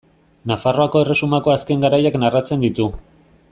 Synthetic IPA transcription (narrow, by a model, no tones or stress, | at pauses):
nafaro̞ako̞e̞re̞sumako̞aske̞ŋɡaɾajaknarat͡se̞nd̪it̪u